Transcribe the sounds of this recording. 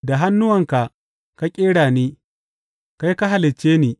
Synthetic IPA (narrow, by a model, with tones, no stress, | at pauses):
da˨ɦa˦nːʊ˦wɐ˨ŋka˨ʔ | ka˦kʲʼeː˦ɽaː˨niː˦ | ka˦jka˦ɦa˨lɪ˨t͡ʃːeː˦niː˨